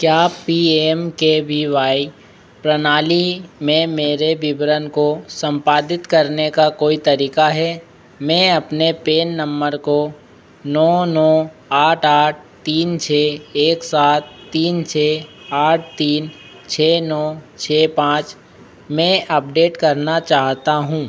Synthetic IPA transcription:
kjaːpiemkebʱiʋaːi | pɾənaːlimẽmeːɾebɪbɾənkosə̃mpaːd̪ɪt̪kɐɾnekakoːit̪ɐɾiːkaɦɛ | mɛ̃ɐpnepeːnːɐ̃mbəɾko | nɔːnɔː | aːʈʰaːʈ̚ʰt̪iːnt͡ʃʰeːeːksaːt̪̚ʰːiːnt͡ʃʰeːaːʈ̚ʰt̪iːn | t͡ʃʰeːnɔːt͡ʃʰeːpãːt͡ʃ | mɛ̃ʔɐp̚ɖeːʈkɐɾnat͡ʃaːɦt̪aɦũː

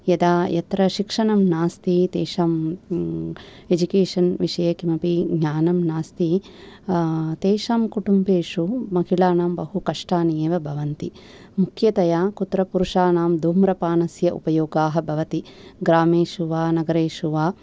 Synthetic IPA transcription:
jɐd̪aːjɐt̪ɾɐʃikʂɐɳɐmnaːst̪it̪eːʂaːm | ed͡ʒukeːʂɐnʋiʂɐjɐkimɐpiɡʱɲaːnɐmnaːst̪i | t̪eːʃaːmkuʈumbeːʂumɐɦiɭaːnaːmbɐɦukɐʂʈaːnijeːʋɐbʱɐʋɐnt̪i | mukʰjɐt̪ɐjaːkut̪ːɾɐpuɾuʂaːnaːmd̪ʱuːmɾɐpaːnɐsjɐʔṵpɐjoːɡaːɦɐ̆bʱɐʋɐt̪iɡɾaːmeːʃuʋaːnɐɡɐɾeːʃuʋaː

